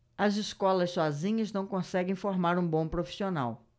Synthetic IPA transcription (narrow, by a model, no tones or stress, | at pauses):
ɐziskɔlɐssɔzĩɲɐznɐ̃w̃kõsɛɡẽj̃foɾmaɾũbõpɾofi̥siona̰w